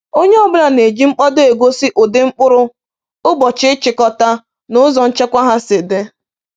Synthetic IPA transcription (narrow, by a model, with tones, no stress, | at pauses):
o˦ɲe˦ɔ˦˨bʊ˦ɾa˨ne˨d͡ʒi˦ŋ͡m̩˦k͡pɔ˦do˦e˨ɡʷo˦sɪ˦ʔo˨de˦ŋ͡m̩˦k͡pʊ˦ɾʊ˦ | ʊ˦bɔ˨t͡ʃɪ˦ɪ˦t͡ʃɪ˨kɔ˦ta˦ | nʊ˦zɔ˨n̩˦t͡ʃe˦kʷa˦ɦa˦se˨de˦